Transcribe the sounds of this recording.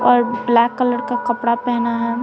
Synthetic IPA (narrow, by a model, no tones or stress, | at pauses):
ɔːɾblɛːkːələɾkakɐpɽapɛɦnaɦɛ